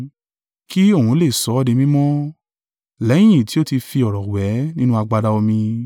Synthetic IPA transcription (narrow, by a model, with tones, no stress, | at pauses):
ki˦o˦˨hũ˨˦le˦˨sɔ˨˦dĩ˧mĩ˦mɔ̃˦ | lɛ˨˦j̃ĩ˦˨ti˨˦o˦ti˧fi˧ɔ˨ɾɔ˨wɛ˨˦nĩ˦nũ˦a˧ɡ͡ba˧da˧o˧mĩ˧